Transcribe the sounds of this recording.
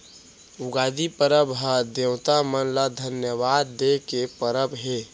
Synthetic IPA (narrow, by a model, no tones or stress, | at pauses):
uɡaːd̪ipəɾəbɦəd̪ewt̪amənləd̪ʱənjəʋaːd̪ːekepəɾəbɦe